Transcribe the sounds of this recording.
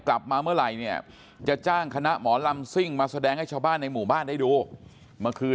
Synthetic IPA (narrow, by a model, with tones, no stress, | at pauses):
kla˨˩p̚maː˧mɯ˥˩ɐɾa˨˩jni˥˩ɐ | t͡ɕa˨˩ʔt͡ɕaː˥˩ŋkʰa˧na˦˥ʔmɔː˩˦la˧msi˥˩ŋmaː˧sa˧dɛː˧ŋha˥˩t͡ɕʰaː˧wbaː˥˩nːa˧jmuː˨˩baː˥˩nda˥˩jduː˧ | ma˧kʰɯː˧